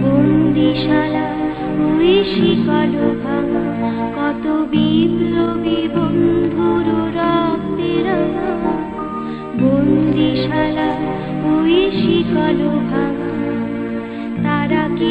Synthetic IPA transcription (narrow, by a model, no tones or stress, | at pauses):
bond̪ʱiʃala | uiʃikɔlobʱama | kɔt̪obiblobibond̪ʱoɾoɾɔt̪eɾama | bond̪ʱiʃala | uiʃikɔlobʱama | t̪aɾaki